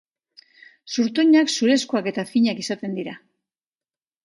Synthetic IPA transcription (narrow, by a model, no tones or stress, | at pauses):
suɾt̪uɲaksuɾe̞skoake̞t̪afiɲakisat̪e̞nd̪iɾa